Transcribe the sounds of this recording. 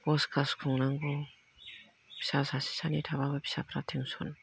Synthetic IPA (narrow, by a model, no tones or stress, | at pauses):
bɔskʰaskʰɔŋnaŋɡɔ | b̥i̥sasasi̥sanitʰaβababi̥sapʰɾatʰiŋsɔn